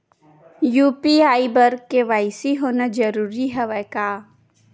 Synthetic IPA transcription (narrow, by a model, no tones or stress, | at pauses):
juːpiaːibəɾkeʋaːɪsiɦoːnad͡ʒəɾuːɾiɦɛʋɛkaː